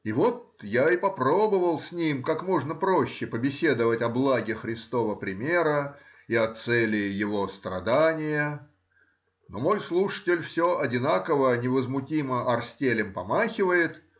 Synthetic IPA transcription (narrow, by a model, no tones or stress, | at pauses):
ivo̞t̪̚ | jaɪpɐpɾo̞bəvəlˠsʲnʲimkakmo̞ʐnəpɾoɕːɪpəbʲɪsʲe̞d̪əvətʲɐblˠaɡʲɪxɾʲɪst̪o̞vəpɾʲɪmʲe̞ɾə | ɪɐt̪sɛlʲɪjɪvo̞st̪ɾɐ̰d̪anʲɪjə | nomo̞jslˠuʂə̥tʲɪlʲfsʲo̞ʔɐdʲɪnakəvənʲɪvəzmʊtʲiməʔɐrsʲtʲelʲɪmpɐmaxʲɪvəjɪt̪